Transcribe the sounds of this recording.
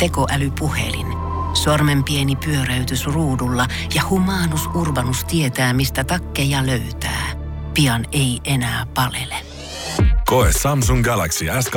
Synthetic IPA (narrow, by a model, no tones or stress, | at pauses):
t̪ekoʔælypuhḛlḭn | sɑrmempienipyøɾæyt̪ysruːdulːɑ | jɑhumɑːnusurʋɑnust̪iet̪æːmist̪æt̪ɑkːejɑløyt̪æ̰ː | piɑne̞iʔenæːpɑlḛle | koessɑms̬uŋɡælæksiæsk